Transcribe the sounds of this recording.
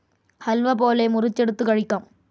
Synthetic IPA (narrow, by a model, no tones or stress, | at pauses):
hɐlʋɐpoːlɐɪmʊɾɪt͡ʃːɛɽɯt̪ːɯkɐɻɪkːaːm